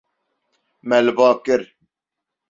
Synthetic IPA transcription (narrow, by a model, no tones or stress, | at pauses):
mɛlbaːkɪɾ